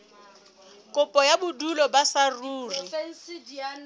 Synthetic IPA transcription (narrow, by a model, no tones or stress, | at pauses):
kʼʊpʼɔjabʊdulɔbasaruːri